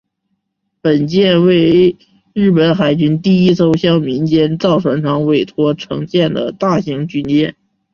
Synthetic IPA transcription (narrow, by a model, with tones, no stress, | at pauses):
pə˨˩nt͡ɕjɛ˥˧nwe˥˧ɪ | ɻ̩˥˩pə˧˥nxa˨˩ɪt͡ɕy˥nt̪i˥˩i˥so˥ʊɕjɑ˥˩ʊmi˧˥nt͡ɕjɛ˥nt͡sɑ˥˩ʊʈ͡ʂʰwə˧˥nʈ͡ʂʰɑ˧˥ŋwe˨˩ɪt̪ʰwɔ˥ʈ͡ʂʰɤ̰˧˥ŋt͡ɕjɛ˥˩nd̪ə̰˩t̪a˥˩ɕi˧˥ŋt͡ɕy˥nt͡ɕjɛ˥˩n